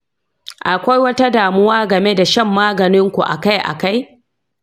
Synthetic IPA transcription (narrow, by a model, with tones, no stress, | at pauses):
ʔa˨kʷa˦jwɐ˦ta˦daː˨mʊ˦waː˦ɡɐ˨me˦da˨ʃɐ˦˨mːaː˦ɡɐ˨nɪ˦ŋkʷu˨ʔa̰˨ka˦jʔa̰˨ka˦j